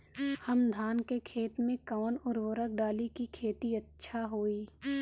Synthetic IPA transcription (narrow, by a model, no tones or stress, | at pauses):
həmd̪ʱaːnkekʰeːt̪mẽkaːnʊɾʋəɾək̚ɖaːlikikʰeːt̪iɐtːʃʰaɦoːiː